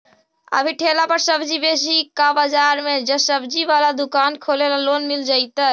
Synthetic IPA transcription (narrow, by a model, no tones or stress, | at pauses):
ə̰bʱiʈʰeːlapəɾsəbd͡ʒibeːs̬ikabəd͡ʒaːɾmẽd͡ʒəsəbd͡ʒiʋaːlad̪ʊkaːnkʰoːlelaloːnmɪld͡ʒaːit̪a